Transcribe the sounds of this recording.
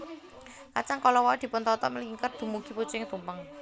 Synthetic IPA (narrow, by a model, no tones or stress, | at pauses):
kat͡ʃaŋkɔlɔwɔd̪̥i̤pʊnt̪ɔt̪ɔ̰ʔməliiŋkər̚d̪̥ṳmuɡ̥i̤pu̥t͡ʃɪŋt̪umpəŋ